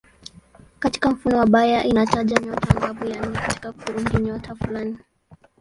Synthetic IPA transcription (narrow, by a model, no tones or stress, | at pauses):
kati̥kam̩funɔwaɓajaʔinataʄaɲɔtaŋɡaɓujan̩ɛkati̥kakuɾuŋɡiɲɔtʰafulani